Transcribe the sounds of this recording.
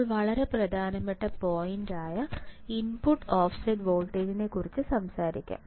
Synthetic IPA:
ɭʋɐɭɐɾe̞prɐd̪ʱaːnɐmːɐʈːɐpoːjindaːjɐinpuʈːoːfsɐɖʋo̞ːlʈeːd͡ʑinekːurit͡ɕːɨsɐmsaːɾikʲːa̰

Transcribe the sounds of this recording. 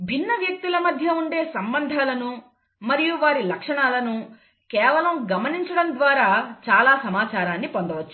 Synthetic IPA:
bʱinːɐʋjɐk̚t̪ilɐmɐd̪ʱjɐuɳɖe̞ːsɐmbɐnd̪ʱaːlɐnu | mɐɾijuʋaːɾilɐkʂɐɳaːlɐnu | kɛːʋɐlɐmɡɐmɐniɲt͡ʃɐɽɐmd̪ʋaːɾaːt͡ʃaːlaːsɐmaːt͡ʃaːɾaːnːipond̪ɐʋɐt͡ʃːu

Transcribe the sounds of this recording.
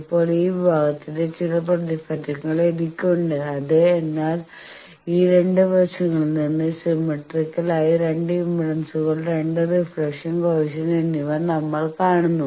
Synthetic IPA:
ipːo̞ːɭiːʋibʱaːɡɐt̪ːinde̞t͡ɕiɻɐp̬rɐðifɐtːɐŋːɐɭenikʲːuuɳɖɨɐðɨenːaːl | iːɾe̞ɳɖɨʋɐrʂɐŋːɐɭninːɨsimɐʈrikːɐlaːjiɾe̞ɳɖɨimbiɽɐnsuɣɐɭɾe̞ɳɖɨrifɭekʂɐnkoːʋɕɐnenːiʋɐnɐmːɐɭkaːɳunːu

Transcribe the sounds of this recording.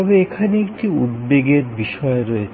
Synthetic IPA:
ɔbeekʰaneekʈiṵd̪beɡeɾbiʃɔeɾoe

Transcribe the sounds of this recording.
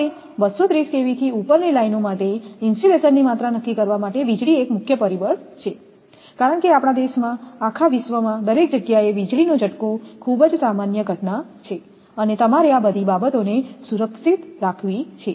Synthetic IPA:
e | bəsot̪ɾiskeʋit̪ʰiupəɾnelainomaʈeɪnsʈilesənːimat̪ɾanəkːikəɾʋamaʈeʋid͡ʒɭiekmʊkʰjəpəɾibəɭt͡ʃʰe | kaɾəɳkeapɽ̃ad̪eʃmãakʰaʋɪʃʋəmãd̪əɾek̚d͡ʒəɡjaeʋid͡ʒɭinod͡ʒʱəʈkokʰubd͡ʒsamanjəɡʱəʈnat͡ʃʰe | ənet̪əmaɾeabəd̪ʱibabət̪onesuɾəkʃit̪ɾakʰʋit͡ʃʰe

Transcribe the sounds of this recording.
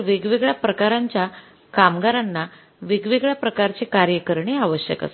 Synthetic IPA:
əʋiɡʋiɡɭapɾəkaɾaɲt͡ɕja | kamɡaɾanːa | ʋiɡʋiɡɭapɾəkaɾt͡ɕekaɾjəkəɾɳeaʋəɕjə̰ka̰s

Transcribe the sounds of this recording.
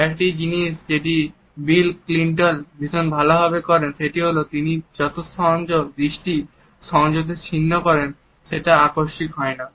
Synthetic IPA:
ɛkʈid͡ʑiniʃd͡ʑeʈi | bilkliɳʈonbʱiʃonbʱaloɦɔbekɔɾenʃeʈiɦolot̪inid͡ʑɔt̪ost̪ɔnd͡ʑod̪ɾiʃʈi | ʃɔŋd͡ʑot̪̬et͡ɕʰinːokɔɾen | ʃeʈaakoɾʃikɦɔena

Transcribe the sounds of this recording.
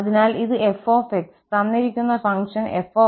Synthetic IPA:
ɐðinaːliðɨʔefoːfekst̪ɐnːiɾikʲːunːɐfɐŋʂɐnefoː

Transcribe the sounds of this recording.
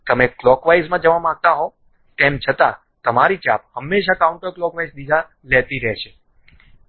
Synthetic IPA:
t̪əmeklɔkʋajzmãd͡ʒəʋamãɡ̚t̪aɦo | t̪emt͡ʃʰət̪a | t̪əmaɾit͡ʃa̰p̚həmːeʃakauɳʈəklɔkʋajsd̪id͡ʒ̪ʱa | lɛt̪iɾɛɦt͡ʃʰe̥

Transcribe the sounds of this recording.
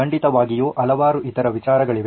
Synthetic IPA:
ɐɳɖit̪ɐʋaːɡijoːʔɐlɐʋaːɾuʔit̪ɐɾɐʋit͡ʃaːɾɐɡɐɭiʋe

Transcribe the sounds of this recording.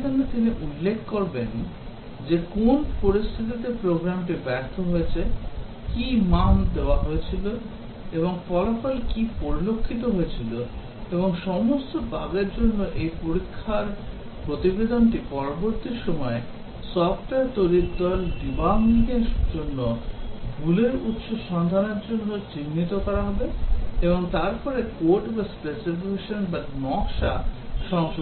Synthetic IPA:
d̪ʱonːet̪iniʔulːekʰkoɾben | d͡ʑekonpoɾist̪ʰit̪̬it̪epɾoɡɾamʈibɛɾt̪ʰoɦoet͡ɕʰe | kimamd̪eoaɦoet͡ɕʰilo | eβoŋfɔlafɔlkipoɾilokʰːit̪oɦoet͡ɕʰilo | eboŋʃɔmost̪obaɡeɾd͡ʑonːoʔejpoɾikʰːaɾ | pɾot̪ibed̪ʱonʈipɔɾoboɾt̪iɾʃɔmɔe | sɔfʈaɾt̪oɾikd̪ɔlɖibamlikeʃd͡ʑonːoɡuleɾut̪ʃoʃɔnd̪ʱaneɾd͡ʑonːot͡ɕinːit̪okɔɾaɦɔbeeboŋt̪aɾpɔɾekoɾʈbaspeselpieʃonbanɔkʃa̰ʃɔŋʃo

